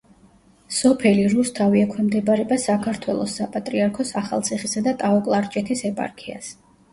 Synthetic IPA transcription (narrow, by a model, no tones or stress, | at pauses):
sɔpʰɛliɾust̪ʰaviɛkʰwɛmd̪ɛbaɾɛbasakʰaɾt̪ʰwɛlˠɔ̰sːapʼat̪ʼɾiaɾkʰɔsaχa̰lˠt̪sʰiχisad̪at̪ʼaɔkʼlˠaɾt͡ʃʼɛt̪ʰisɛpʼa̰ɾkʰia̰s